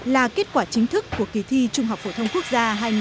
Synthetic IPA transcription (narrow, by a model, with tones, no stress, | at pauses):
laː˨˩ke˦˥t̚kwaː˧˩t͡ɕï˨˦ŋ̟t̪ʰɨ˦˥kːu˧˩əki˨˩t̪ʰi˧t͡ɕʊ˧ŋ͡mhɦwk͡p̚fo˧˩t̪ʰə˧wŋ͡mku˦˥ək̚zaː˧ɦaː˧jŋ